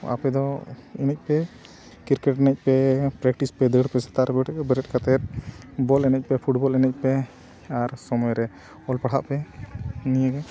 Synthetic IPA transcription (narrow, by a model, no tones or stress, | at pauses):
a̰pɛd̪ɔinɛc̚ˀpɛ | kiɾkɛʈɛnɛc̚pɛpɾɛk̚ʈispɛd̪əɽpɛsḁt̪aʔɾɛbɛbɛɾɛt̚kat̪ɛt̪̚bɔlɛnɛc̚ˀpɛpʰuʈbɔlɛnɛc̚ˀpɛ | aɾsɔmɔjɾɛ | ɔlpaɽ̤a̰ʔpɛnijəɡɛ